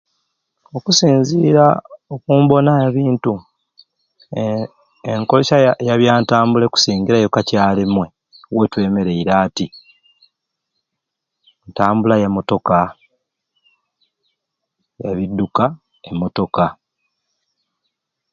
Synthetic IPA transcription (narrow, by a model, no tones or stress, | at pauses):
o̞kusiːnziɾaokuːmbo̞najaβiːntu | eŋko̞leʃajaβjaːntaːmbule̞ku̥siːŋɟiɾajo̞kacaːlemwe̞ | wetwe̞ːme̞ɾe̞iɾaːti | ntaːmbulajemːo̞to̞ka | ja̰βidːuka | emːo̞to̞ka